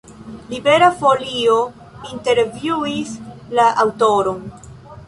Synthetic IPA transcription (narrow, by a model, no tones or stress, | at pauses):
libe̞ɾafo̞lio̞ | inte̞ɾvjuislaʔawto̞ɾo̞n